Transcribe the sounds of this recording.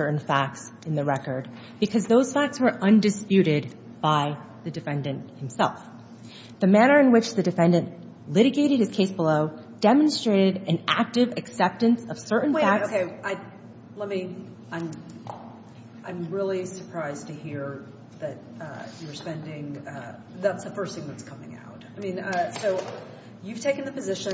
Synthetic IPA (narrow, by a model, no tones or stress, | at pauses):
ə˞ʔn̩fæk̚ts | ɨ̃nðɨɹɛkə˞d̚ | b̥ɨkʰʌzðoʊz̥fæk̚tswə˞ʔʌ̃ndɨspjʉɾɪd̚ | b̥aɪ | ðɨdɨfɛ̃ndɨ̃nthɨ̃m̩sɛ̰lˠf | ðɨmæñə˞ɨ̃nwɨt͡ʃðɨdɨfɛ̃ndɨ̃nʔ | lɪɾɨɡeɪɾɨd̚hɨz̥kʰeɪsb̥əloʊ | d̥ɛmɨ̃n̩stɹ̥eɪɾɨɾɨ̃nʔæ̰k̚tɨvɨksɛp̚tɨ̃nsʌv̥sɜ˞ʔn̩wæoʊkʰeɪʔaɪ | lɛt̚mi | ãɪ̃m | ʔãɪ̃mɹɪlˠisə˞pʰɹ̥aɪztʰɨhiɹ | ðɨt͡ʃ̚ʌə˞spɛ̃ndɪ̃ŋʌ | ðætsəfɜ˞sθɪ̃ŋðɨtskʰʌmɪ̰̃ŋa̰ʊt̚aɪmĩnʌsoʊ | jʉv̥tʰeɪkɨ̃n̩ðɨpɨzɪʃɨ̃